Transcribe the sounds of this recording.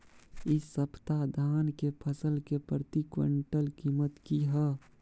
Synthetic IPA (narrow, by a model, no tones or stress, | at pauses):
ɪːəpt̪ad̪ʱaːnkepʰəsəlkepɾət̪ikwə̰̃ɳʈəlkiːmət̪kiɦɛ